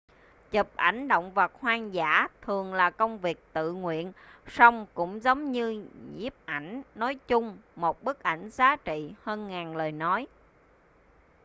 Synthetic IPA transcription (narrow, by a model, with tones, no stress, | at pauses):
t͡ɕə˨˩p̚ʔa˧˩jŋ̟ɗo̰˧˨wŋ͡mvə˨˩t̚hwaː˧ŋza̰ː˧˥t̪ʰɨ˨˩əŋlaː˨˩kə˧wŋ͡mvi˨˩ək̚t̪ɨ̰˧˨ŋwḭ˧˨ənsə˧wŋ͡mkʊ̰˧˥ŋ͡mzə˨˦wŋ͡mɲɨ˧ɲzi˦˥əp̚ʔa˧˩jŋ̟nɔ˨˦jt͡ɕʊ˧ŋ͡mmo˨˩t̚ɓɨ˦˥k̚ʔa˧˩jŋ̟zaː˨˦t͡ɕḭ˧˨həː˧nŋaː˨˩nləː˨˩jnɔ˨˦j